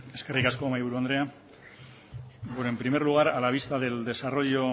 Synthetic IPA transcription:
e̞ske̞rikasko̞majβuɾuond̪ɾe̞a | benoe̞mpɾime̞ɾluɣ̞aɾalaβ̞ist̪aðe̞ld̪e̞saro̞ʎo̞

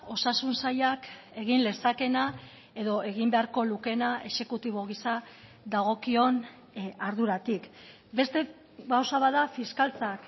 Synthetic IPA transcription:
o̞sasunsajak | e̞ɣ̞inle̞sake̞na | e̞ðo̞ʔe̞ɣ̞imbe̞aɾko̞luke̞naʔe̞ʃe̞kut̪iβ̞o̞ɣ̞isa | ðaɣ̞o̞kio̞n | aɾðuɾat̪ik | be̞st̪e̞ | pawsaβaðafiskalt͡sak

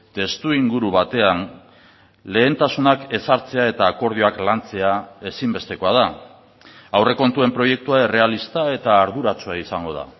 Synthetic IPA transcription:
t̪e̞st̪uiŋɡuɾuβat̪e̞an | le̞ːnt̪asunake̞saɾt͡se̞ae̞t̪aːko̞ɾð̞ioaklant͡se̞ae̞simbe̞st̪e̞ko̞að̞a | awre̞ko̞nt̪ue̞mpɾo̞je̞k̚t̪uaere̞alist̪ae̞t̪aːɾðuɾat͡suaisaŋɡo̞ð̞a̰

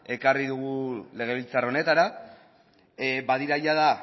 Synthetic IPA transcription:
e̞kariðuɣ̞ule̞ɣ̞e̞β̞ilt͡sarone̞t̪aɾa | baðiɾajaða

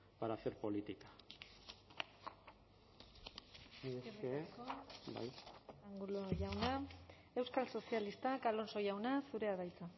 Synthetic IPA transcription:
paɾaseɾpo̞lit̪ikḁ | ee | ba̰jaŋɡuloʝawna | e̞wskalso̞sialist̪akalo̞nso̞jawnasuɾe̞aðajt͡sa

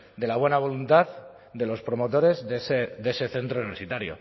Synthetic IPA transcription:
d̪e̞laβ̞we̞naβ̞o̞lunt̪að | d̪e̞lo̞spɾo̞mo̞t̪o̞ɾe̞zesed̪e̞se̞θe̞nt̪ɾouiβsit̪aɾjo̰

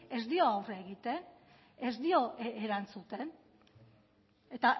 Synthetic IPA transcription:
e̞zd̪io̞awreaeɣit̪e̞n | e̞zd̪io̞ʔeɾant͡sut̪e̞n | e̞t̪a

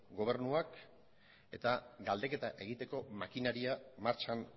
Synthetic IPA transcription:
ɡo̞β̞e̞ɾnuak | e̞̰t̪aɡald̪e̞ke̞t̪aʔe̞ɣ̞it̪e̞ko̞makinaɾiamaɾt͡ʃan

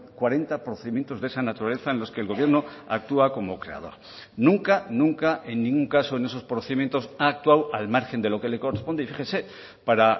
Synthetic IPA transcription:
kwaɾe̞nt̪apɾoθeðimje̞nt̪o̞zðe̞sanat̪uɾale̞θaenlo̞ske̞ːlɣo̞β̞je̞ɾno̞ | a̰k̚t̪uako̞mo̞kɾe̞̰a̰ð̞o̞̰ɾ | nũŋkanũŋkaʔe̞nːĩŋɡuŋkasoene̞so̞spɾoθe̞ðimjent̪o̞saːk̚t̪wawalmaɾxe̞nd̪e̞lo̞ke̞le̞korespo̞nd̪eifixese̞ | paɾa

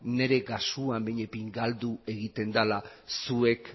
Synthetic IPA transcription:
ne̞ɾe̞ɡasuambeɲe̞piŋɡald̪ue̞ɣit̪e̞nd̪ala | sue̞k

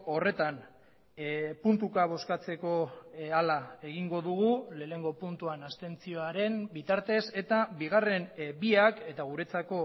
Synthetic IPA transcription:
o̞re̞t̪an | punt̪ukaβ̞o̞skat͡se̞ko̞alae̞ɣiŋɡo̞ðuɣ̞ule̞ːne̞ŋɡo̞punt̪uanast̪e̞nt͡sio̞aɾe̞nbit̪aɾt̪e̞se̞t̪abiɣ̞are̞mbiake̞t̪aɣ̞uɾe̞t͡sako̞

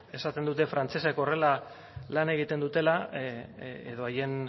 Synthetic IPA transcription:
e̞sat̪e̞nd̪ut̪e̞fɾant͡seseko̞re̞la | lane̞ɣ̞it̪e̞nd̪ut̪e̞la | eðo̞aje̞n

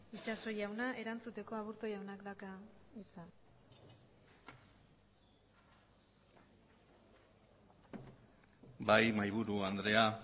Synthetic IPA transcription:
it͡ʃaso̞jawnaʔe̞ɾant͡sut̪e̞ko̞aβuɾt̪o̞jawnakd̪akait͡sa | bajmajβ̞uɾuand̪ɾe̞a

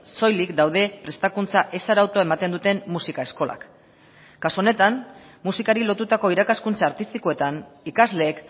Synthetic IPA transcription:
so̞jlikd̪awð̞e̞pɾe̞st̪akunt͡saʔe̞saɾawt̪oae̞mat̪e̞nd̪ut̪e̞mmusikae̞sko̞la̰kː | asuonet̪an | musikaɾilo̞t̪ut̪ako̞iɾakaskunt͡saːɾt̪ist̪iko̞e̞t̪anikazle̞ːk

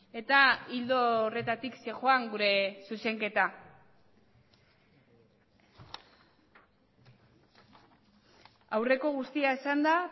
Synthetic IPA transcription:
e̞t̪aild̪ore̞t̪at̪ikse̞xo̞aŋɡuɾe̞suse̞ŋke̞t̪a | awre̞ko̞ɣust̪iaesand̪a

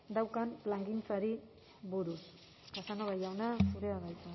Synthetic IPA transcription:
d̪awkanlaŋɡint͡saɾi | βuɾus | kasaŋɡoβajawnasuɾeaðajt͡su

